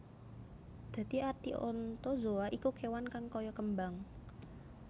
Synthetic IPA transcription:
d̪̥ä̤t̪iʔart̪iʔɔnt̪ɔzoaʔikukewankaŋkɔjɔkəmbaŋ

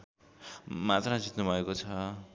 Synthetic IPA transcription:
mat̪rad͡zit̪nubʱʌekot͡sʰʌ

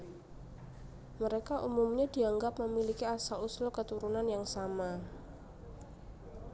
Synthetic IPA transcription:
məɾekaʔumumɲad̥i̤aŋɡap̚məmilikiasaluslokət̪uɾunanjaŋsama

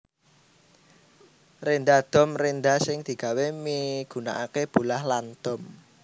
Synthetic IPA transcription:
rend̪ad̪̥ɔ̤mrend̪asɪŋd̪̥i̤ɡ̥a̤wemiɡ̥ṳnaʔakeb̥ṳlahland̪̥ɔ̤m

